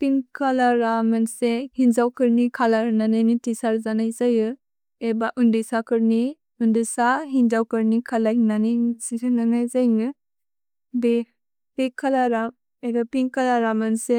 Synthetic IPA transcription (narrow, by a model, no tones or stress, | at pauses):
piŋkʰalaɾamansehinzawkɯɾnikʰalaɾnanajnitisaɾzanajzajɯ | ebaʔundɯsakɯɾni | undisaɦinzawkɯɾnikʰalajnanajnsisananajzajnɯ | be | bekʰalaɾam | edɔpiŋkalaɾamanse